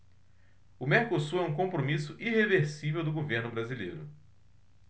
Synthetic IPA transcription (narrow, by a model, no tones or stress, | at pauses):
ʊmeɾkosuɛũkõpɾomisʊʔiheveɾsivewd̪ʊɡoveɾnʊbɾazilḛjɾʊ